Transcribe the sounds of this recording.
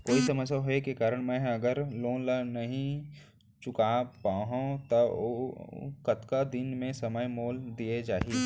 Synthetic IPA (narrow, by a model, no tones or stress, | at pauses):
koːisɐməsjaɦoekekaːɾəɽ̃mɛ̃ɦɐɡəɾlõːlanɐɦĩ | t͡ʃʊkapaːɦõt̪ɐo | kɐt̪kad̪ɪnmẽsɐməjmoːld̪ied͡ʒaːɦiː